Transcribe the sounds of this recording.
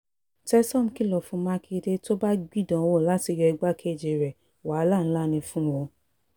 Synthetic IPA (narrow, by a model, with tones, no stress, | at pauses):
tɛ˦sɔ̃˦˨m̩˨ki˦lɔ˨fũ˧mã˦ki˧de˦to˦ba˦ɡ͡bi˦˨dɔ̃˨˦wo˦˨la˦ti˧jɔ˧ɛ˧ɡ͡ba˦kʰe˦˨d͡ʒe˨ɾɛ˨ | wa˨˦la˦˨ñ̩˦la˦˨nĩ˧fũ˦wo˧